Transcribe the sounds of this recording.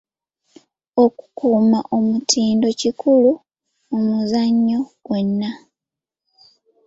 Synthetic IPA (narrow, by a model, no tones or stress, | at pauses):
oku̥kuːmaʔo̞mutʰiːndo̞cikulu | omuzaɲːo̞ɡ̥we̞nːa